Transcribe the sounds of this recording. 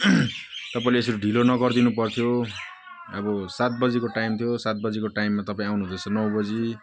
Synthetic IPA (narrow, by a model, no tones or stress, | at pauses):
t̪ʌpãĩlees̬ʌɾuɖʱilonʌɡʌrd̪inupʌrt̪ʰjo | ʌbʌsat̪̚bʌd͡zikoʈajmt̪ʰjosat̪̚bʌd͡zikoʈajmːat̪ʌpãĩawnuɦnt̪ʰjost͡sʰʌnʌw̃bʌd͡zi